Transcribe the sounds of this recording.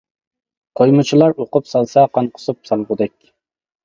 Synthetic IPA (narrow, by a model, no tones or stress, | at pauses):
qʰojmɨt͡ʃʰilˠɑɾoqʊpsɑlˠsɑqʰɑnqʰʊ̥sup̚sɑlˠʁʊd̪ɛkʲ